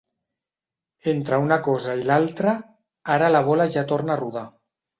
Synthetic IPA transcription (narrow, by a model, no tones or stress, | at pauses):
ent̪ɾaunakɔzailalˠt̪ɾa | aɾalaβ̞olaʒat̪oɾnaruða